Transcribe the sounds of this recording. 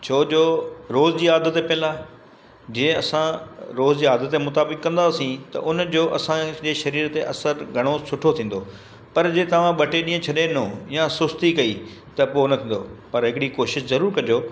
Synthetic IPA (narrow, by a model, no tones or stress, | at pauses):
t͡ɕʰoːd͡ʑoːɾoːzd͡ʑiːaːd̪ət̪epɛ̃laː | d͡ʑeːɐsãɾoːzd͡ʑiːaːd̪ət̪ːemʊt̪aːbɪkːɐ̃nd̪aːsĩt̪ɐ̰ʔʊnd͡ʑoːʔɐsãd͡ʑeːʃɐɾiːɾt̪eʔɐsəɾɡʱɐɽ̃osʊʈʰot̪ʰĩːn̆d̪oː | pɐɾd͡ʑeːt̪ɐʋ̤ãɓɐʈeɗĩːə̃t͡ɕʰɐɗenõjasʊst̪ikɐiː | t̪ɐpoːnɐt̪ʰĩːnd̪o̰pɐɾɦɪkɪɽikoːʃɪʃzɐɾuːɾkɐɲd͡ʑoː